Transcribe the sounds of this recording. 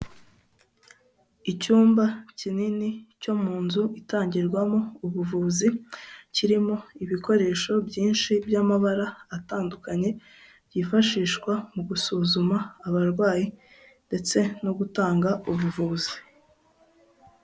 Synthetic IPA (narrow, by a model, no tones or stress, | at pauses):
icuːmbacininico̞muːnzuʔitaːɲɟiɾɡwamo̞uβuvuːziciɾimo̞iβiko̞ɾe̞ːʃo̞bɟiːnʃibjamaβaɾaːtaːndukaɲe̞ | ɟifaʃiːʃkwamuɡusuːzumaːβaɾɡwaːji | nde̞t͡se̞no̞ɡutaːŋɡauβuvuːzi̥